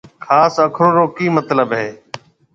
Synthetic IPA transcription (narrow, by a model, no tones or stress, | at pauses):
kʰaːsəkʰɾoːɾoːkiːmət̪ləbɦeː